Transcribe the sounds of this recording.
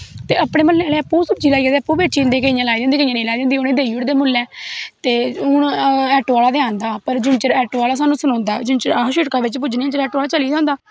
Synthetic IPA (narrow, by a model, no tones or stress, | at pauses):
t̪eːəpɽeːməlːeaːleːəpːuːsʊp̚d͡ʒiːlaːieːd̪eːəpːuːbeːt͡ʃiːnd̪eːkəijãlaːid̪ẽnd̪iːkəijãnẽːlaːiːd̪ːnd̪iːʊnẽːd̪eːiʊɽd̪eːmʊlːɛːt̪eːʊɳɛːʈːaːlaːd̪eãːnd̪aːpəɾd͡ʒʊnt͡ʃəɾɛːʈːaːlaːs̬aːnũːsənɔ̃ːnd̪aːd͡ʒʊnt͡ʃəɾaʃɪʈkaːʋɪt͡ʃpʊd͡ʒnĩãːt͡ʃəɾɛːʈːaːlaːt͡ʃəliːd̪ãːnd̪aː